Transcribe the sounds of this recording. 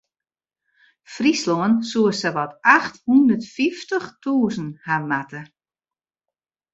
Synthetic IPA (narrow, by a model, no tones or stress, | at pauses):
frisloənsuəsɛʋɔtaxthundərtfiftəχtuːzn̩hamatə